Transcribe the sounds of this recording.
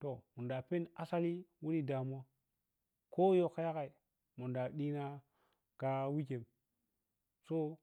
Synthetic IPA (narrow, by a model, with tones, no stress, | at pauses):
to˨mu˨nda˨pe˦na˦sa˦li˦wu˦ɾi˦da˨m˦a˦ | ko˦jo˦ka˦ja˦ka˨i˨ | mu˨da˨ɗi˦na˦ | ka˦wi˦ke˨m | so˦